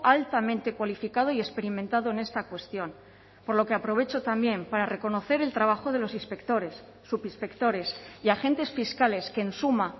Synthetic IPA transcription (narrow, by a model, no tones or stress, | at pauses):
ʔalt̪amẽnt̪e̞kwalifikað̞o̞ie̞spe̞ɾimẽnt̪aðo̞ene̞st̪akwe̞st̪jo̞n | po̞ɾlo̞ke̞apɾo̞βe̞t͡ʃo̞t̪ambje̞mpaɾare̞ko̞no̞θe̞ɾe̞lt̪ɾaβ̞axo̞ð̞e̞lo̞sispekt̪oɾesːupispe̞kt̪o̞ɾe̞siaxẽ̞nt̪e̞sfiskale̞skeːnsuma